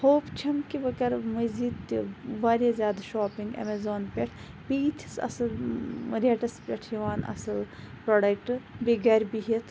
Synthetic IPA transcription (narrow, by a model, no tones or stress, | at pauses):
hoːpt͡ʃʰɐmkiʋɐkɐɾmɐzid̪ʋaːɾʲazʲjaːd̪ɐʃoːpiŋɡɐ̰mezoːnpʲeʈʰ | biːt̪ʰi̥sɐ̰sɨlɾeːʈɐspʲeʈʰjiʋaːnɐ̰sɨl | pɾoːɖɐkʈbiɡɐɾʲbiɦit̪ʰ